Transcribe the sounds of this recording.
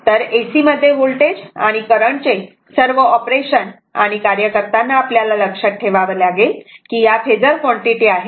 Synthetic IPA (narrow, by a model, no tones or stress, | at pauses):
t̪əɾesiməd̪ʱːjeɦolʈed͡zaɽ̃ikəɾəɳt͡ɕe | səɾʋəɔpɾeɕən | a̰ɽ̃ikaɾjəkəɾt̪anːaːpljalaləkʂək̚ʈʰːeʋaʋəlaɡelkiːjafʰed͡zəɾkʋɔɳʈiʈiaɦe